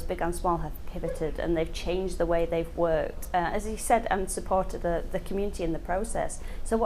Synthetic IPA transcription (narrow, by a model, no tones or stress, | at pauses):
zbɪɡə̃nsmɔlˠəv̥pʰɪvɨtɪdə̰̃nðeɪv̥t͡ʃʰẽɪ̃nd͡ʒ̪ðəweɪðeɪvwɜˑ˞k̚tʰʌəzisɛdã̰ɪ̃msəpʰɔɹtʰɨd̪ðəðɨkʰmjʉnɨtʰiɨ̃nðəpʰɹ̥oʊsɛ̰sːoʊw